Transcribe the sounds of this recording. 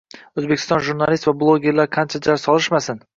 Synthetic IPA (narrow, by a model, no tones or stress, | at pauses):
ɵzbekʲʰɪ̥t̪ɒnʒuɾnalist̪vablˠoɡʲe̞ɾlaɾqʰant͡ʃʰad͡ʒaɾsɒlˠɪʃmasɪn